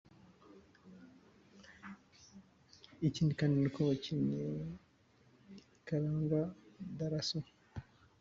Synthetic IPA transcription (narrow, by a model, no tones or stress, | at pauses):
iciːndikaːndinikʰoβociɲe | kaɾaːŋɡad̪aɾaso